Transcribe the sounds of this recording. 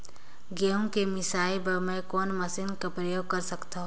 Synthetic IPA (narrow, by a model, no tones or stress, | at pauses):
ɡeõkemɪsaːjbɐɾmɛ̃kɔːnmɐsɪnkapɾəjoːɡ̚kɐɾsɐkt̪aɦ